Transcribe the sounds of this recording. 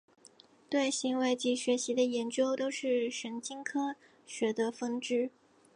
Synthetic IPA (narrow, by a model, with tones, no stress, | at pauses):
t̪we˥˩ɪɕi˧˥nwe˥ɪt͡ɕi˧˥ɕɥɛ˧˥ɕi˧˥d̪ə˧jɛ˧˥nt͡ɕjo˥ʊt̪o˥ʊʂɻ̩˥˩ʂə˧˥nt͡ɕi˥ŋkʰɤ˥ | ɕɥɛ˧˥d̪ə˧fə˥ŋʈ͡ʂɻ̩˥˩